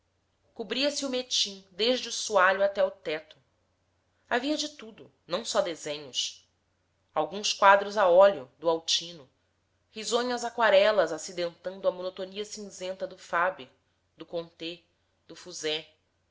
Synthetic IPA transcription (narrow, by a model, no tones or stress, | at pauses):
kubɾiɐsɪʊmet͡ʃĩŋd̪eʒd͡ʒɪʊsuaʎʊat̪ɛʊt̪ɛt̪ʊ̥ | aviɐd͡ʒɪt̪ud̪ʊ | nɐ̃w̃sɔd̪ezẽɲʊs | awɡũskwad̪ɾʊzaɔljʊd̪ʊawt͡ʃĩnʊ | hizõɲɐzakwaɾɛlɐzasid̪ẽnt̪ɐ̃nd̪ʊɐmonot̪oniɐsĩŋzẽnt̪ɐd̪ʊfabeɾ | d̪ʊkõnt̪e | d̪̥ʊfuzɛ